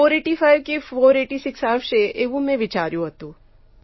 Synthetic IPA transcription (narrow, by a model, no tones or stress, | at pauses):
oːɾeːʈifʰaːɪʋkefoːɾeːʈisɪksaːfʃeʔeːʋũmẽʋɪt͡ʃaːɾjũɦət̪ũː